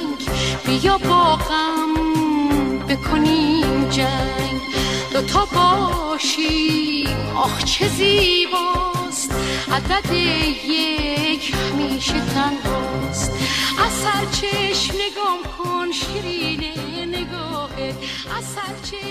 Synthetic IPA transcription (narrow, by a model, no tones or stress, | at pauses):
ŋɡbijɔbɔːɣam | bekʰonimd͡ʒaŋɡd̪̥ot̪ʰɔbɔʃimɔ̰χt͡ʃʰezibɔst̪ʔad̪ad̪ejekʰhamiːʃet̪ʰanbɔst̪azsaɾt͡ʃʰeʃmneɡɔmkʰonʃiɾineneɡɔhe | azaɾt͡ʃʰe